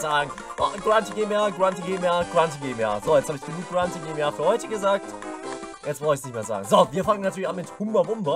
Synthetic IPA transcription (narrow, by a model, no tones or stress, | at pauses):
zaːɡŋ̩ | ʔɔɡʁantiɡeːmaːɡʁantiɡemaːɡ̥ʁantiɡeːma̰ːzoːjɛt͡shaːbɪçfd̥emiːɡ̥ʁantiɡeːmaːfyːɐhɔʏtəɡəzaːk̚t | jɛt͡sv̥ɔɪçsnɪçtmeːɐza̰ːɡŋ̩zoːviːɐfaŋənatʰyːɐlçanmɪthʊmbɐvʊmbɐ